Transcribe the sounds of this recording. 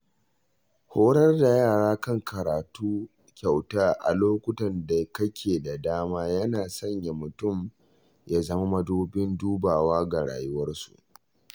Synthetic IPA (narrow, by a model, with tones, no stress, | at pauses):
hoː˦ɽɐ˦rda˨jaː˦˨ɽaː˦kɐ˦˨ŋkʰɐ˨ɾaː˨tuː˦ | kʲa˨wtaː˦ʔa̰˨loː˦kʷʊ˦tɐ˨nda˨kɐ˦kʲʰeː˨da˨daː˦maː˦jɐ˦naː˨sɐ˦ɲja˨mʊ˨tʊ˦˨m | jaː˦zɐ˦ma˦mɐ˦duː˦bɪ˦nduː˦baː˨waː˦ɡa˨ɽa̰ː˨jʊ˦wɐ˦rsṵ˨ʔ